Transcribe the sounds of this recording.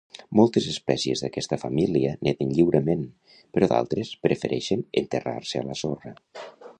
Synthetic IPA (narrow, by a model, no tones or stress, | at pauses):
mɔlˠt̪ezəspɛziezðəkɛst̪əfəmiliənʔeðənʎiwɾəmen | pəɾɔða̰lˠt̪ɾespɾəfəɾʔɛʃənent̪era̰ɾseə̰ləsorə